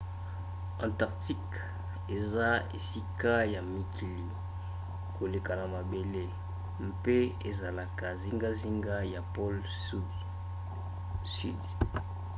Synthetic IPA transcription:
ɑ̃˨ta˨ʁti˦k | e˨za˦ḛ˨si˦ka˦ja˨mi˨kʰi˨li˨ | ko˨le˨ka˨na˨ma˨be˨le˦ | m˦pe˦e˨za˨la˨ka˨zi˦ŋɡa˦zi˦ŋɡa˦ja˨pɔ˦l | su˦di˨ | sy̰˦d

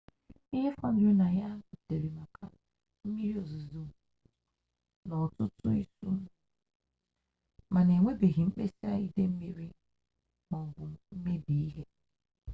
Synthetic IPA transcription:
i˦ɦe˦fɔ˦n˦u˦na˨ja˦˨te˨ɾi˨ma˨kʰa̰˦ | m̩˦mi˦ɾi˦o˨zu˨zu˦˨ | nɔ˨tʊ˦tʊ˦ḭ˦su˦ | ma˨ne˨ŋʷe˦be˨ɦi˨ŋ͡m̩˦k͡pe˦si˦a˦i˦de˦m̩˦mi˦ɾi˦ | k͡pɔ˨m̩˨bʊ˨m̩˦me˦di˨i˦ɦe˦

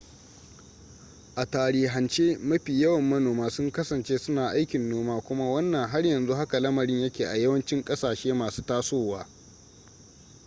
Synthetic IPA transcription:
ʔa˨taː˨ɾiː˨ɦɐ˨nt͡ʃeː˦mɐ˦ɸiː˨jɐ˦wɐ˨mːɐ˦noː˨maː˦sʊ˦ŋkɐ˦sɐ˨nt͡ʃeː˦sʊ˦naː˨ʔa˦jkʲɪ˨nːoː˦maː˦kʷʊ˦ma˦wɐ˦nːɐ˨ŋɦa˦rjɐ˨nzu˦ɦa˦ka˨lɐ˦mɐ˨ɽɪ˦ɲjɐ˦kʲeː˨ʔa˨jɐ˦wɐ˦nt͡ʃɪ˦ŋkʼɐ˦saː˨ʃeː˦maː˨su̥ː˦taː˦soː˦˨waː˦

